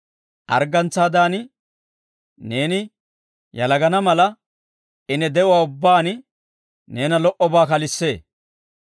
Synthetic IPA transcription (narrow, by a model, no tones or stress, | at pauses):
ʔɐ̰ɾɡɐnt͡sːaːd̪aːnɪ | ne̞ːnɪ | jɐlɐɡɐnɐmɐlɐ | ɪnɛd̪ɛʊwaːʊbːaːnɪ | ne̞ːnɐlɔʔɔbaːkɐlɪsːe̞ː